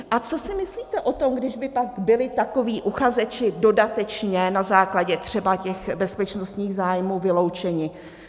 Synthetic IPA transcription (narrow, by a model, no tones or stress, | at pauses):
ʔat͡so̞sɪmɪsliːt̪ɛʔo̞t̪o̞mɡdɪʒbɪpaɡbɪlɪt̪ako̞viːʔuxazɛt͡ʃɪdo̞dat̪ɛt͡ʃɲɛnazaːklaɟɛt̪r̝̥ɛbacɛxbɛspɛt͡ʃnost̪ɲiːɣzaːjmuːvɪlowt͡ʃɛɲɪ